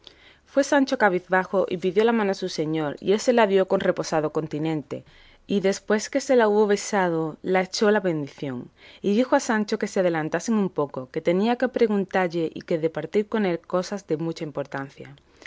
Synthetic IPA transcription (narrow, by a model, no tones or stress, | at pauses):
fwe̞sant͡ʃo̞kaβ̞iθβaxo̞ʔipiðjo̞lamãnoasuse̞ɲo̞ɾḭe̞se̞laðjo̞ko̞nre̞po̞sað̞o̞ko̞nt̪inẽ̞nt̪e̞̰ | iðe̞spwe̞ske̞se̞lauβo̞βe̞sað̞olaet͡ʃo̞laβẽ̞nd̪iθjo̞̰ŋiðixoasant͡ʃo̞ke̞seað̞e̞lant̪aseŋumpo̞ko̞ke̞t̪e̞niake̞pɾe̞ɣunt̪aɾʎe̞ʔḭke̞ðe̞paɾt̪iɾko̞ne̞lko̞sazðe̞mut͡ʃaimpo̞ɾt̪an̟θja̰